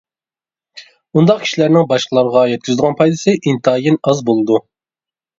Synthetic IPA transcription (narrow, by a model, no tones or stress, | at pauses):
und̪ɑqkʲʰi̥ʃilæɾnɪŋbɑʃqəlˠɑɾəʁɑjɛt̪̚kʲyzɨd̪əʁɑnpʰɑjd̪ɨsɨʔint̪ʰɑːjinɑzbolˠɨd̪u